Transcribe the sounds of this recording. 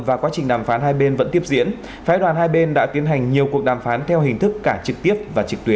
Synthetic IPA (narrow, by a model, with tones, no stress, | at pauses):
vaː˨˩kwaː˨˦t͡ɕï˨˩ŋ̟ɗaː˨˩mfaː˨˦nɦaː˧jɓe˧nvə̰˧˥nt̪i˦˥əp̚zḭ˧˥ən | faː˨˦jɗwaː˨˩nhaː˧jɓe˧nɗa̰ː˧˥t̪i˨˦ənɦa˨˩jŋ̟ɲi˨˩əku˨˩ək̚ɗaː˨˩mfaː˨˦nt̪ʰɛ˧wɦï˨˩ŋ̟t̪ʰɨ˦˥kːaː˧˩t͡ɕɨ˨˩k̚t̪i˦˥əp̚vaː˨˩t͡ɕɨ˨˩k̚t̪wi˨˦ə